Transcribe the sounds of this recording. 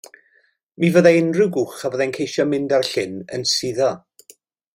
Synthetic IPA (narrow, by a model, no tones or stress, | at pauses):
mivəðaɪnrɨɡuχavəðɛnkʰejʃɔmɪndarɬɪnə̰nsiðɔ